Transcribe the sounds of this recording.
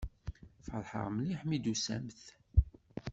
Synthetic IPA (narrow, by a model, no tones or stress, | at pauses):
fəɾˤħə̰ʁmliħmid̪usæ̰mθ